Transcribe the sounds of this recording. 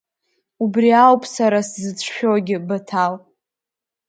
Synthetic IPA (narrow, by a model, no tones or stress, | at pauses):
ubriawpʼsaɾaszɨt͡sʷʰʃᶣoɡʲɪbatʰal